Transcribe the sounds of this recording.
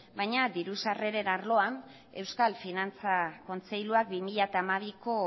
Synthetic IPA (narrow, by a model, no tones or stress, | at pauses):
bajɲad̪iɾusare̞ɾe̞naɾlo̞an | e̞wskalfinant͡sako̞nt͡se̞jluak̚bimiʎat̪amaβ̞iko̞